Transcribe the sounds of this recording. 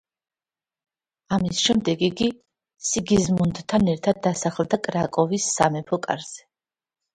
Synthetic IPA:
amisʃɛmd̪ɛɡiɡi | siɡizmund̪t̪ʰanɛɾt̪ʰad̪̚ːasaχld̪akʼɾakʼɔvisːa̰mɛpʰɔkʼa̰ɾz̥ɛ̥

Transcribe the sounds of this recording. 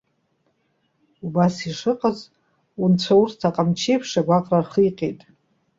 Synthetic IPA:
ubasiʂɨqʼaz | unt͡sʷʰaurtʰaqʼamt͡ʃʰejpʰʂaɡʷaqʼrarχijqʼejtʼ

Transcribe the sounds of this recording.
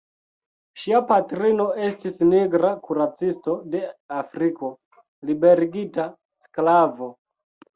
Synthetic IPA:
ʃiapatɾino̞e̞stisniɡɾakuɾat͡sisto̞de̞afɾiko̞ | libe̞ɾiɡita | sklavo̞

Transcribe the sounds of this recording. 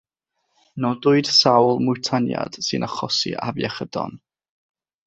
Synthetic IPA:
nɔdʊɨd̥sawlˠmʊtʰanja̰d̥sɨnaχɔsḭʔavjɛχədɔ̰n

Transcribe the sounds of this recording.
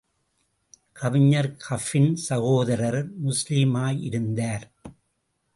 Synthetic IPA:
kʰɐʋɪɲːɐɾkʰɐfɪnsɐɣoːðɐɾɐɾmʊslɪmaːjɪɾɯnd̪aːɾ

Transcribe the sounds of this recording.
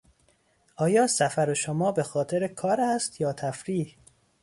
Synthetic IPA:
ʔɒːjɒːsæfæɾoʃomɒːbe̞xɒːt̪ʰeɾekʰɒːɾæst̪jɒːt̪ʰæfɾiːh

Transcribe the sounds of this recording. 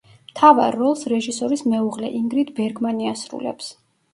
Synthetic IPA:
mt̪ʰava̰ɾːɔlˠsɾɛʒisɔɾismɛuʁlɛʔiŋɡɾit̪ʰbɛɾɡmaniasɾṵlɛ̰ps

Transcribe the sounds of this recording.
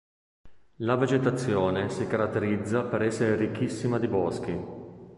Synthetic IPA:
laved͡ʒet̪at̪sːjoːnesikaɾat̪ːeɾid̪zːapeɾɛsːeɾeɾikːisːimad̪ibɔsk̟i

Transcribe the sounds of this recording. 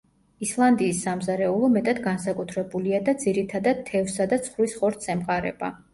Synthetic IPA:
islˠand̪iːsːamzaɾɛulˠɔmɛt̪ʼad̪ɡansakʼut̪ʰɾɛbuliad̪ad̪ziɾit̪ʰad̪ad̪̥̚t̪ʰːɛvsad̪at̪sʰχɾwisχɔɾt̪ʰsɛmqʼaɾɛ̰b̥a̰

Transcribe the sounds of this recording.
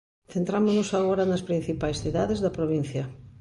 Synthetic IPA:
θẽnt̪ɾamonosaɣoɾɐnɐspɾĩn̟θipajsθiðaðezðɐpɾoβ̞in̟θjɐ

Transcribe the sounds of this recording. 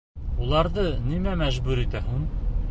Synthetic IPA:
ulˠɑɾðɤnimæmæʑbʉɾit̪æɦuɴ

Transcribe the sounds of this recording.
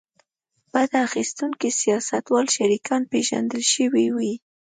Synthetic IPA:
b̥ad̪axist̪uŋkisijɑsat̪wɑlʃaɾikʰɑnpeʒa̰nd̪əlʃəwiwi

